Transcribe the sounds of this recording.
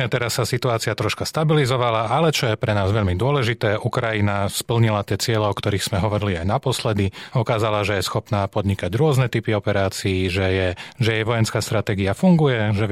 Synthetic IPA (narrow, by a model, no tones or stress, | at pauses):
ɛt̪ɛɾasːasit̪uaːt͡siat̪ɾɔʃkast̪abilizɔʋalaalɛt͡ʃɔjɛpɾɛnaːzʋɛʎmid̪ʊɔlɛʒit̪ɛːʔukɾajinaspl̩ɲilat̪ɪɛt͡sɪɛlɛɔkt̪ɔɾiːɣz̥mɛɦɔʋɔɾiliajnapɔslɛd̪iɔkaːzalaʒɛjɛsxɔpnaːpɔd̪ɲikaɟɾʊɔznɛt̪ipiɔpɛɾaːt͡siːʒɛjɛʒɛjɛjʋɔjɛnskaːst̪ɾat̪ɛːɡiafuŋɡujɛʒɛ